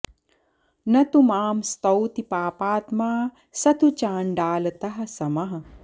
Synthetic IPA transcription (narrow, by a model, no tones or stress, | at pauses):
nɐt̪umaːmst̪ɐwt̪ipaːpaːt̪maː | sɐt̪ʰut͡ʃaːɳɖaːlɐt̪ɐɦɐ̆sɐmɐɦɐ